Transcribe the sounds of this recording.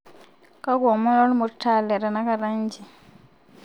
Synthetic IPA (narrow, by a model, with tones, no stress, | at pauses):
kʼa˦kɔ˨mɔ˦nɔ˦lu˦mu˨tʰa˨lɛ˨ɾa˨na˦ka˦ɾa˦nd͡ʒi˨